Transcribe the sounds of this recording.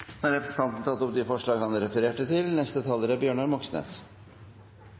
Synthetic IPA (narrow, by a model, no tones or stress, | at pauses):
hɑɾɛpɾəsən̩t̪ʰɑnt̪n̩t̪ʰɑt̪ːɔp̚d̪ɪfɔʂɭɑːɡhɑnɾɛfəɾeːʈət̪ʰɪlnɛst̪ət̪ʰɑːləɾəbjøːɳɑɾmɔksnḛːs